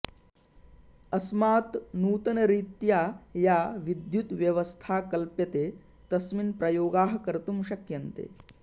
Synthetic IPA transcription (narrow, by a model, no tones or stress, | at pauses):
ɐsmaːt̪nuːt̪ɐnɐɾiːt̪jaːjaːʋid̪jut̪ʋjɐʋɐst̪ʰaːkɐlpjɐt̪eː | t̪ɐsminpɾɐjoːɡaːɦɐ̆kɐɾt̪umʃɐkjɐnt̪ḛː